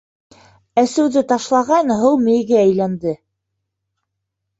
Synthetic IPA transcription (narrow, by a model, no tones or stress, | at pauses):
æsɘ̆wðɘt̪ɑʃlˠɑʁɑnɦɤwmɘ̆jɡɘæjlænd̪ɘ